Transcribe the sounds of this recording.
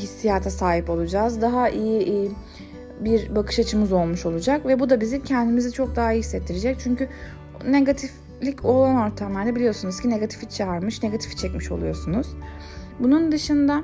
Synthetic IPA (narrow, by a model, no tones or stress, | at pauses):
isːijat̪ʰasaːɦipo̞lˠud͡ʒaːzd̪aɦaʔijiʔ | biɾbakʰɯ̥ʃat͡ʃʰɯmɯzo̞lˠmuʃo̞lˠud͡ʒakvɛbud̪abizicʰɛnd̪imizit͡ʃʰo̞k̚d̪aɦaiçsɛt̪ʰːiɾed͡ʒɛc̚t͡ʃʰyɲcy | neɡat̪ʰif | lʲicʰo̞lˠano̞ɾt̪ʰamlˠaɾd̪abilʲijo̞sunuz̥cʰine̞ɡat̪ʰi̥fit͡ʃʰaaɾmɯʃneɡat̪ʰi̥fi̥t͡ʃʰɛcmiʃo̞̰lˠujo̞sunuz̥ | bunund̪ɯʃɯnd̪a